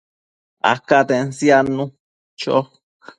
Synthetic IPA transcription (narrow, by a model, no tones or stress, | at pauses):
a̰kat̪ensjanũ | t͡ʃo̰